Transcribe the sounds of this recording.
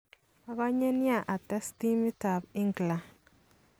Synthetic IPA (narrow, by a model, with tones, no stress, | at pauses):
a˨ka˦ɲe˦nja˦˨ʔa˨tɛ˦sti˦mi˦ta˨bi˦ŋɡla˨n